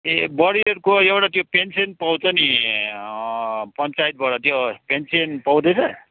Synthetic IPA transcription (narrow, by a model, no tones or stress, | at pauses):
ebʌɾieɾkoewʈat̪jopensiʌnpʌw̃t͡sʌni | pʌnt͡sajt̪̚bʌɽʌt̪jopensiʌnpʌwd̪et͡sʰʌ